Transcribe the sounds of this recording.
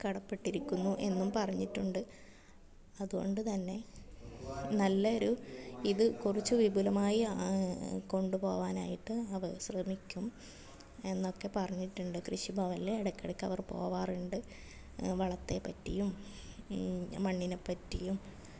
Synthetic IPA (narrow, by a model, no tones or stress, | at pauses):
kɐɽɐpːe̞ʈːiɾikʲːunːuʔe̞nːumpɐrɐɲːiʈːuɳɖɨ | ɐðuɣo̞̰ɳɖɨt̪ɐnːe̞ | nɐlːɐoɾuiðɨkurit͡ɕːuʋibulɐmaːji | ko̞ɳɖupo̞ːʋaːna̰ːjiʈːɨɐʋɐɕrɐmikʲːum | e̞nːo̞kːe̞pɐrɐɲːiʈːuɳɖɨkrɨɕibʱɐʋɐleɽɐkʲːɐɽɐkʲːɐʋɐrpo̞̰ːʋaːruɳɖɨ | ʋɐɭɐt̪ːe̞pːɐtːḭjum | ɐɳːinepːɐtːijum